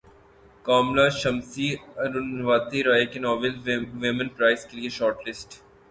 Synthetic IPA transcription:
kaːmlaːʃɐmsiɐɾunʋaːt̪iɾaːjɪkenɔːʋɪlʋɪmə̃npɾaːɪskelieʃɔːɾʈlɪsʈ

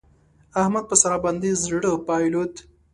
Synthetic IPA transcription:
ahmad̪̚pəsaɾaband̪izɽəpɑjlut̪

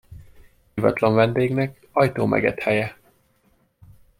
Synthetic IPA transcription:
ivɒ̰t̪lɒɱvɛnd̪eːɡnɛk | ɒjt̪oːmʔɛ̰ɡɛ̰t̪hɛjɛ

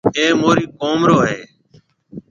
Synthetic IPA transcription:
eːmoːɾiːkoːmɾoːɦeː

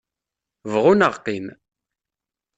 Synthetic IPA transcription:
vʁʊnəʁqːim

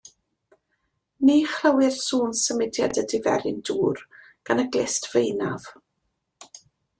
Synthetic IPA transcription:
niːχrəwɪrsuːnsəmɪdjadədɪvɛ̰ɾɪnduːr | ɡ̥anəɡlˠɪstvejnav

